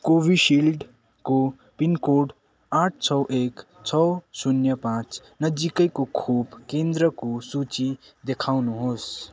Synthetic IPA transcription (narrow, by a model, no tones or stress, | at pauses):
kobiʃilɖ | ko | pinkoɖ | aʈʰt͡ʃʰʌwʔek | t͡ʃʰəwsunjəpãt͡ʃ | nəd͡ʒikəikokʰobkẽnd̪ɾəkosut͡ʃid̪ekʰaʊnuɦos